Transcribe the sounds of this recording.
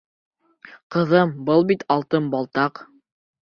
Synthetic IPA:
qɤ̆ðɤmbɤlˠbit̪ʰɑlˠt̪ɤmbɑlˠt̪ɑq

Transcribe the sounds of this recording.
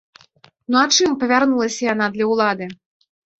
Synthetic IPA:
nuat͡ʂɨmpɐvʲarnulˠɐsʲɐjanad̪lʲɐwlˠad̪ɨ

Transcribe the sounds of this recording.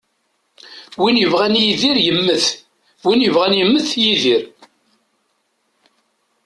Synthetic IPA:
winjəvʁænjiðiɾjəmːəθ | winjəvʁænjəmːəθjiðiɾ

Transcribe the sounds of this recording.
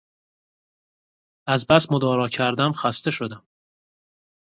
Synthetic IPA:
æzbæsmo̞d̪ɒːɾɒːcʰæɾd̪æmxæst̪e̞ʃo̞d̪æm

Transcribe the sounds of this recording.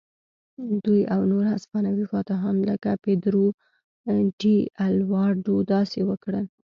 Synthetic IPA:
d̪ujawnoɾaspɑnawixwɑt̪aɦamləkaped̪ɾo | ɖialwɑɾɖod̪ɑsewəkɽəl

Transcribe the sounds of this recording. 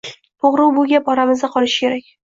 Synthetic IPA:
t̪ʰoʁɾʊwbʊɡʲabɒɾamɪzd̪aqʰɒlɪʃɪ̥kʲʰe̞ɾak̚ʲ

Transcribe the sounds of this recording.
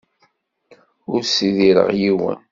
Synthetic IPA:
ʊɾsiðiɾə̰ʁjiwə̰n

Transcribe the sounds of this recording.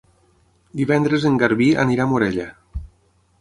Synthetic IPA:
d̪iβɛnd̪ɾəzəŋɡaɾβiə̰niɾamuɾɛʎə

